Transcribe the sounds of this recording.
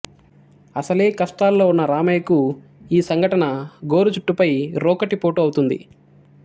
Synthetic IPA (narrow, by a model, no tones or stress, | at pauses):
ɐsɐle̞ːkɐsʈaːlːoːunːɐɾaːmɐjɐku | iːsɐŋɡʱɐʈɐnɐɡo̞ːɾut͡ʃuʈːupɐjɾɔːkɐʈipoːʈoːɐwt̪und̪ḭ